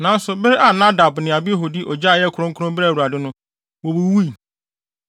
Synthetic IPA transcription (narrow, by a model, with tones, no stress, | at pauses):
nã˨˦n̩˦sʊ˨be˦ɾʔa˨nã˦da˨bnɪ̃˨a˨bɪ˦ɦɔ˨di˦ʔɔ˨d͡ʑa˦˨jɛ˦kʰʊ˦ɾʊ̃˦ŋ̩˦kʰʊ˦ɾʊ̃˦m˦bɾa˦˨u˨ɾa˨dɪ˦nʊ̃˦ | wo˨bu˨wu˦i˨